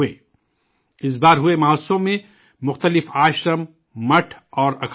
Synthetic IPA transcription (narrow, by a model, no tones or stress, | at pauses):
eː | ɪs̬baːɾɦʊemɐɦoːsõmẽ | mʊxt̪əlɪfaːʃɾəm | mɐʈʰɔːɾɐkʰ